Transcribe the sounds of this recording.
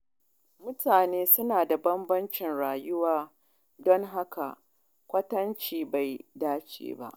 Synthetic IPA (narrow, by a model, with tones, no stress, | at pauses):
mʊ˦tʰaː˨neː˦sʊ˦naː˨da˨bɐ˦mbɐ˦nt͡ʃɪ˨nɽaː˨jʊ˦waː˦ | dɔ˦ŋɦa˦ka̰˨ | kʷɐ˦tɐ˦nt͡ʃiː˨ba˨jdaː˦t͡ʃḛː˦˨ba̰˦ʔ